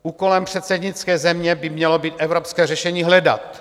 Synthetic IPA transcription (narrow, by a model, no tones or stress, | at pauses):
ʔuːkolɛmpr̝̥ɛt̪sɛdɲɪt͡skɛːzɛmɲɛbɪmɲɛlobiːt̪ʔɛvɾopskɛːrɛʃɛɲiːɦlɛda̰t̪